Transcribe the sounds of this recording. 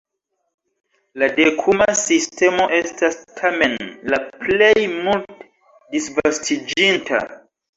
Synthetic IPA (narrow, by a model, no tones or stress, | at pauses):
ladekʰumasiste̞mo̞ʔe̞stastʰame̞nlaple̞jmult | disvastʰid͡ʒintʰa̰